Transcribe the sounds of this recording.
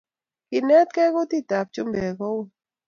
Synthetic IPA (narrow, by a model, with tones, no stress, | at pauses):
kɪ˨nɛ˦t̪̚kɛ˦ko˦ti˦˨ta˨p̚t͡ʃu˦mbɛ˨kɔ˦wo˨